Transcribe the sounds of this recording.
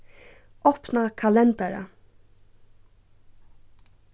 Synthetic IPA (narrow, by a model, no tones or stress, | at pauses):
ɔpnakʰalɛnt̪aɾa̰